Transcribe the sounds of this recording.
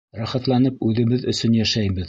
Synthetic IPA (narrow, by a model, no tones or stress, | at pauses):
rɑχɑt̪lˠɑnɤpʉðɘ̆βɘðɵ̆sɵnjæʃæjβɘð